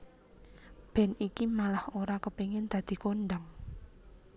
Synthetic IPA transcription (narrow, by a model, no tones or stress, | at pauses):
b̥ɛ̤nikimalahoɾakəpeŋɪnd̪̥ä̤d̪̥i̤koɳɖaŋ